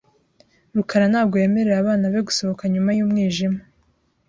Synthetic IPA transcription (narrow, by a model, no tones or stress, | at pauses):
ɾukʰaɾanaːbɡo̞jeːme̞ɾeɾaβaːnaβe̞ɡuso̞βo̞kaɲumajuːmŋiːʒima